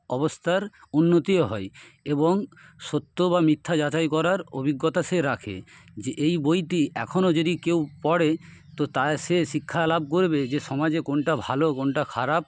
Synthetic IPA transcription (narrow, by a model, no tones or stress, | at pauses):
ɔbost̪ʰaɾunːot̪ioɦɔeeboŋʃot̪ːobamit̪ʰːad͡ʑat͡ɕajkɔɾaɾo̰bʱiɡːot̪aʃeɾakʰḛd͡ʑeʔejbojʈiɛ̰kʰonod͡ʑod̪ikewpɔɽe | t̪ot̪aʃeʃikʰːalab̚koɾbed͡ʑeʃɔmad͡ʑekonʈabʱalokonʈakʰaɾap̚